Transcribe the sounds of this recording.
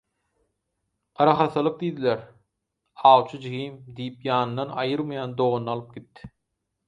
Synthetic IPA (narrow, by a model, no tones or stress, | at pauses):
qɑɾɑχɑθɯlˠɯq̚d̪iːd̪ilʲeɾ | ɑːwt͡ʃʰɯd͡ʒihimd̪ijipjɑːnɯnːɑnɑjɯɾmɑjɑːnd̪oʁonɑlˠɯp̚ɡ̥ʲit̪ːi̥